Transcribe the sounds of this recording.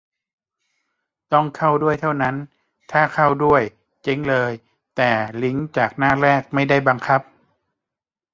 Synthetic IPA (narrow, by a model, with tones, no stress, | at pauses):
t̪ɔ˧˥˩ŋkʰa˥˩wdu˥˩əjt̪ʰa˥˩wna˦˥˨n | t̪ʰaː˥˩kʰa˥˩wdu˥˩əj | t͡ɕe˧˦ŋlɤː˧j | t̪ɛː˨˩li˧˦˥ŋt͡ɕaː˨˩k̚naː˥˩˨ɾɛː˥˩k̚ma˥˩jda˥˩jba˧ŋkʰa˦˥p̚